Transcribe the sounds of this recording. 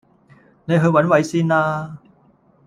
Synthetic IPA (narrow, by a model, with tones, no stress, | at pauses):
ne˨˧jɦɵ˧ɥwɐ˨˥nwɐ˨˧jsiː˥naː˧